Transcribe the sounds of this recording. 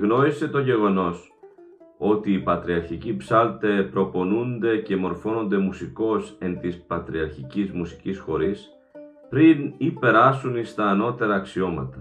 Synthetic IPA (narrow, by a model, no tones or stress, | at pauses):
ɣno̞ise̞t̪o̞ʝe̞ɣo̞no̞s | o̞t̪iːpɐt̪ɾiɐɾçicipsɐlt̪epɾo̞po̞nund̪e̞ce̞mo̞ɾfo̞no̞nd̪e̞musiko̞se̞nt̪ispɐt̪ɾiɐɾçicizmusi̥cisxo̞ɾis | pɾinipe̞ɾɐsunist̪ɐːno̞t̪e̞ɾɐːksio̞mɐ̰t̪ɐ